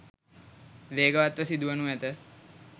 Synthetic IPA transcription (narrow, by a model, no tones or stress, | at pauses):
leːɡəʋat̪ʋəsid̪uənuʋæt̪ə